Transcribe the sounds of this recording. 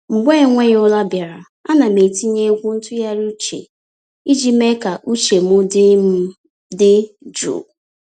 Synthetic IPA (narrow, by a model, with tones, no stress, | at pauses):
ŋ͡m̩˨ɡ͡be˦˨ŋʷe˦jʊ˦la˦bja˨ɾa˨ | a˦na˨me˨ti˦ɲe˦ɡʷu˦n̩˦tʊ˦ja˦ɾu˦t͡ʃḛ˨ | i˦d͡ʒi˦me˦ka˨ʔu˦t͡ʃe˨m˦ʊ˦dɪ˦m̩˦ | dɪ˦ | d͡ʒṵː˨